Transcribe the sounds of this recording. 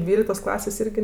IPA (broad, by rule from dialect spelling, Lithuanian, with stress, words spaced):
ˈdʲʋʲiːlʲɪktoːs ˈklˠɑːsʲeːs ˈɪrʲɡʲɪ